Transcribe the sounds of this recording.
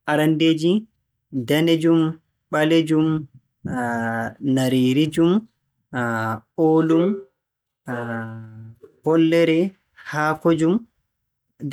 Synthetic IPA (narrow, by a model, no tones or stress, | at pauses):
ʔaɾanded͡ʒi | daned͡ʒum | ɓaled͡ʒum | naɾiːɾid͡ʒum | oːlum | pɔlːɛɾɛ | haːkod͡ʒum